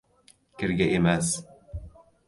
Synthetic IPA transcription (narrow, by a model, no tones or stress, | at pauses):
kʲɘ̆ɾɡʲaʔemæs